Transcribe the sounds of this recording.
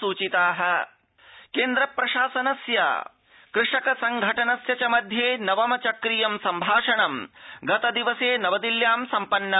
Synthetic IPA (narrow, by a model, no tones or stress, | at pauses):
uːt͡ʃit̪aːɦɐ̆ | keːnd̪ɾɐpɾɐʃaːsɐnɐsjɐ̰ | kɾɪʂɐkɐsɐŋɡʱɐʈɐnɐsjɐt͡ʃɐmɐd̪ʱjeːnɐʋɐmɐt͡ʃɐkɾijɐmsɐmbʱaːʂɐɳɐmɡɐt̪ɐd̪iʋɐseːnɐʋɐd̪iljaːmsɐmpɐnːɐ